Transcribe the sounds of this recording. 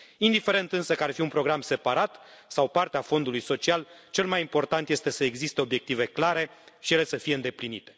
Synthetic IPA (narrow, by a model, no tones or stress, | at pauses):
ind̪ife̞ɾe̞nt̪ɨnsəkəarfiunpɾo̞ɡɾamse̞paɾat̪sawpart̪eafo̞nd̪ulujso̞t͡ʃialt͡ʃe̞lmajimpo̞rt̪ant̪je̞st̪e̞səe̞ɡzist̪e̞o̞bje̞k̚t̪ive̞klaɾe̞ʃije̞le̞səfijeɨnd̪e̞plinit̪e̞̥